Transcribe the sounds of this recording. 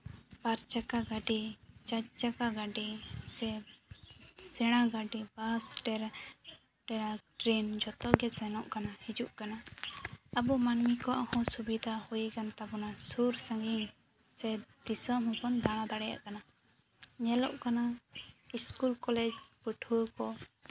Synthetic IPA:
paɾt͡ʃakaɡaɖit͡ʃat͡ʃt͡ʃakaɡaɖisɛ | sɛɽ̃aɡaɖibasʈɛɾ | ʈɛɽaʈɾend͡ʒɔt̪ɔʔɡɛsɛnɔʔkanahid͡ʒuʔkana | abumanmikɔa̰hɔ̃subid̪ʱahujikant̪abɔnasuɾsãɡiŋ | sɛd̪̥isɔmhupɔnd̪aɽ̃ãd̪aɽɛja̰ʔkana | ɲɛlɔʔkanaiskulkɔlɛd͡ʒpəʈʰuwəkɔ

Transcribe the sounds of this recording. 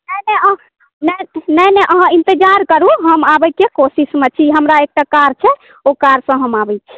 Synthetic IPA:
nɛnɛ | nɛnɛjnɛʔəɦə̃int̪id͡ʒaɾkəɾuɦəmabəjkekosismet͡ʃʰiɦəmɾaek̚ʈakaɾt͡ʃʰɛ | okaɾsə̃ɦəmabɛjt͡ʃʰɛ̥

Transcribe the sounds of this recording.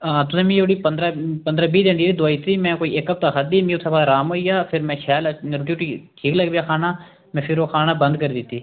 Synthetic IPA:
aːt̪ʊsɛ̃ːmĩːoɽiːpənd̪ɾaːpənd̪ɾaːbiːd̪ẽːnd̪iːt̪iːd̪oaːit̪iːmɛ̃ːkoːiːʔeːkəp̚t̪axʰəd̪iːmĩːʊsabaːɾaːmoːijaːpʰɪɾmɛ̃ːʃɛːlɾoʈjoːʈiʈʰiːkləɡbjaːkʰaːnaː | mɛ̃ːpʰɪɾoːkʰaːnaːbə̃nd̪kəɾd̪ɪt̪ːiː

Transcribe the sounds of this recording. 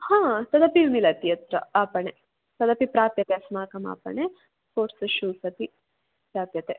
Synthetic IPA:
hãːt̪ɐd̪ɐpimilɐt̪ijɐt̪ɾɐaːpɐɳe | t̪ɐd̪ɐpipɾaːpjɐt̪esmaːkɐma̰ːpɐ̰ɳe | poːɾsɐʃuːsɐt̪i | pɾaːpjɐt̪e

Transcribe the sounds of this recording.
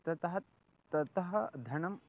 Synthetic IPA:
t̪ɐt̪ɐɦɐ | t̪ɐt̪ɐɦɐd̪ʱɐɳɐm

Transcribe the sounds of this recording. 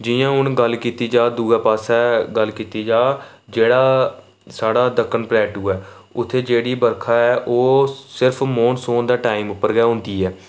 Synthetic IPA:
d͡ʒɪjãːʊnɡəlːkiːt̪iːd͡ʒaːd̪uːɡaːpaːsɛːɡəlkiːt̪iːd͡ʒaː | d͡ʒeːɽaː | saːɽaːd̪əkʰːənplɛːʈuːɛː | ʊt̪ʰːeːd͡ʒeːɽiːbəɾkʰaːɛːʔoːsɪɾpʰmoːnsoːnd̪aːʈaːiːmʊpːəɾɡɛːɦʊ̃nd̪iːɛː

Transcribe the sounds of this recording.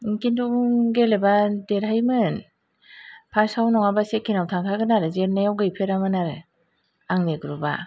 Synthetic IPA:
kindumɡelebadeɾɦajmɯn | pʰasawnɔŋabasekʰːinawtʰaŋkʰaɡɯnaɾɯzeɾnajawɡɯjpʰeɾamɯnaɾɯ | aŋneɡɯɾuba

